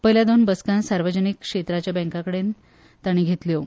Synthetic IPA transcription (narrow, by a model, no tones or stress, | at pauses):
pəɦiljad̪onbəskãnsaɾʋəd͡ʑənikkʂet̪ɾat͡ɕjabɛ̃ŋkakəɽen | t̪aɽ̃ĩːɡʱet̪ljo